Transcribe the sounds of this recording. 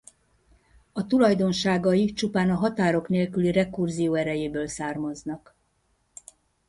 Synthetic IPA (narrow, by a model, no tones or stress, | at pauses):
ɒt̪ulɒjd̪o̞nʃaːɡɒjit͡ʃupaːnɒɦɒt̪aːɾo̞kneːlkylirɛkurzijoːɛɾɛjeːbøːlsaːrmɒznɒk